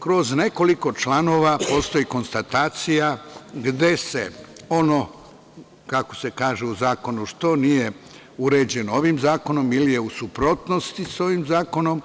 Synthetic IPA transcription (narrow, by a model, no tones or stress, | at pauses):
kɾo̞zne̞ko̞liko̞t͡ʃlano̞ːʋapo̞ːst̪o̞jiko̞nst̪at̪aːt̪sijaɡd̪e̞se̞o̞no̞ | kakose̞kaːʒeuzaːko̞nuʃt̪o̞nije̞ | uɾe̞ːd͡ʑe̞nooʋimzaːko̞no̞milije̞usupɾo̞t̪no̞st̪iso̞ʋimzaːko̞no̞m